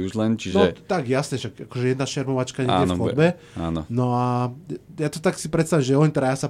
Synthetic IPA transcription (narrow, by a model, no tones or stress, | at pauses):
uʒlɛnt͡ʃiʒnɛt̪akjasɲɛʃaɡakɔʒɛjɛd̪naʃɛɾmɔʋat͡ʃkaɲɛ̰jɛxɔbɛ | a̰nɔnɔa | jat̪ɔt̪aksipɾɛt̪st̪aʋimʒɛɔɲt̪ɾajasa